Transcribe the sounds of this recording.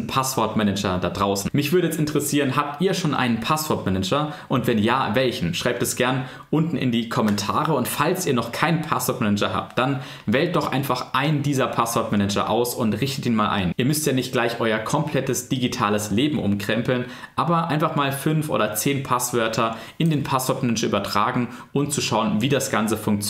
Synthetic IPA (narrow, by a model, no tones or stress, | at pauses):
pʰasv̥ɔɐtmɛnɛd͡ʒɐdadʁaʊsn̩mɪçv̥ʏɐɾəjɛt͡stɪntəʁəsiːʁənɦap̚tʔiːɐʃoːnʔa̰ɪnənpʰasv̥ɔɐtmɛnɛd͡ʒɐʔʊntv̥ɛnjaːvɛlçn̩ʃʁ̥aɪp̚tɛsɡ̥ɛɐn | ʔʊntn̩ɪ̰ndiːkʰɔmɛntʰaːʁəʊntfalsʔiːɐnɔχkʰaɪnnpʰasv̥ɔɐtmɛnɛd͡ʒɐɦa̰ːp̚t̚d̥an | vɛːlt̚d̥ɔχʔa̰ɪnfaχʔaɪndiːzɐpʰasv̥ɔɐtmɛnɛd͡ʒɐ̰ʔa̰ʊsʊntʁɪçtətiːnmaːlʔa̰ɪnʔiːɐmʏstjaːnɪçt̚ɡ̥laɪçʔɔʏɐkʰɔmpl̥ɛtəsd̥iɡitʰaːləsleːbm̩ʔʊ̰mkʁ̥ɛmpl̩n | ʔaːbɐʔaɪnfaχmaːlfʏnfʔo̰ːdɐt͡seːnpʰasv̥œɐtʰɐ | ʔɪndeːnpʰasv̥ɔɐtmɛnɛd͡ʒɐʔyːbɐtʁ̥aːɡŋ̩ | ʔʊmt͡suʃaʊənviːdasɡ̥ant͡səfʊŋk̚t͡s